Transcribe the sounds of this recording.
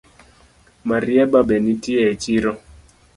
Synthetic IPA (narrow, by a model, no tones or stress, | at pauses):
maɾiɛɓaɓɛnitiɛt͡ʃiɾɔ